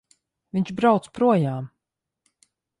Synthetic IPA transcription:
viɲt͡ʃbɾawt̪spɾuɔjaːm

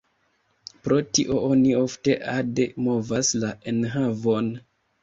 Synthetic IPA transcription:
pɾo̞tiʔo̞ʔonio̞fte̞ʔademo̞vaslae̞nɦavo̞n

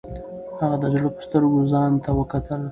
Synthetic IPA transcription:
haɣad̪əd͡ʒɽopə̥st̪əɾɡozɑnt̪awəkat̪əl

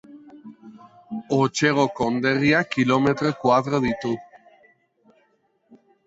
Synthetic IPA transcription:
ot͡ʃeɣ̞okond̪eriakilomet̪ɾokwaðɾoðit̪u

